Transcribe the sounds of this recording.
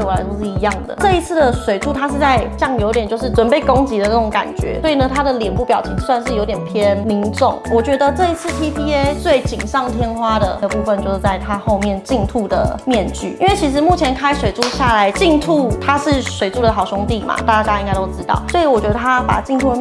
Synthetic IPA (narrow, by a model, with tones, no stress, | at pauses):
wɔ˨˩la˧˥t̪o˥˧ʂɻ̩˥˩i˧˥jɑ˥˩ŋd̪ə̰˩ʈ͡ʂɤ˥˩i˧˥t͡sʰɹ̩˥˩d̪ə˩ʂwe˨˩ɪʈ͡ʂʰu˥˧t̪ʰa˥ʂɻ̩˥˧t͡sa˥˧ɪt͡ɕjɑ˥˩ŋjo˧˥ʊt̪jɛ˨˩nt͡ɕjo˥˧ʊʂɻ̩˥˩ʈ͡ʂwə˨˩npe˥˩ɪko˥ŋt͡ɕi˧˥d̪ə˧nə˥˩ʈ͡ʂo˧˥ŋka̰˨˩nt͡ɕɥɛ̰˧˥swɔ˧˥i˨˩nə˩t̪ʰa˥d̪ə˨ljɛ˨˩npu˥˩pjɑ˨˩ʊt͡ɕʰi˧˥ŋswa˥˧nʂ̬ɻ̩˥˩jo˧˥ʊt̪jɛ˨npʰjɛ˥nli˧˥nʈ͡ʂʊ˥˨˩ŋwɔ˨˩t͡ɕɥɛ˧˥d̪ə˧ʈ͡ʂɤ˥˧i˧˥t͡sʰɹ̩˥˩t̪ʰi˥pʰi˥t͡swe˥˩ɪt͡ɕi˨˩ŋʂɑ˥˩ŋt̪ʰjɛ˥nxwa˥d̪ə̰˨d̪ə˩pu˥˩fə˧nt͡ɕjo˥˧ʊʂ̩˥˧t͡sa˥˩ɪt̪ʰa˥xo˥˧ʊmjɛ˥˨nt͡ɕi˥˧ŋt̪ʰu˥˩d̪ə̰˩mjɛ˥˧nt͡ɕy̰˥˩i˥nwe˥˩ɪt͡ɕʰi˧˥ʂ̬ɻ̩˧˦mu˥˩t͡ɕʰjɛ˧˥nkʰa˥ɪʂwe˨˩ɪʈ͡ʂʰu˥˧ɕja˥˩la˧˥ɪt͡ɕi˥˧ŋt̪ʰu˥˧t̪ʰa˥ʂɻ̩˥˩ʂwe˨˩ɪʈ͡ʂu˥˩d̪ə˩xɑ˨˩ʊʂʊ˧˥ŋt̪i˥˩ma̰˨˩t̪a˥˩t͡ɕja˥i˥ŋka˥ɪt̪o˥ʊʈ͡ʂ̩˥t̪ɑ̰˥˩ʊswɔ˧˥i˨wɔ˨˩t͡ɕɥɛ˧˥d̪ə˧˩t̪ʰa˥pa̰˨˩t͡ɕi˥˧ŋt̪ʰu˥˩